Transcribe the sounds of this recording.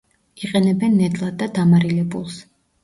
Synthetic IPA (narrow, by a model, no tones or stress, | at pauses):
iqʼɛnɛbɛnːɛt̪ʼlˠad̪ːad̪amaɾilɛbulˠs